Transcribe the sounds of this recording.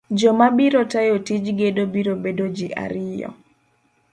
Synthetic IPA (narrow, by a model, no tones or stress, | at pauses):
d͡ʒɔmabiɾotajotid͡ʒɡedobiɾobedod͡ʒiʔa̰ɾɪjɔ̰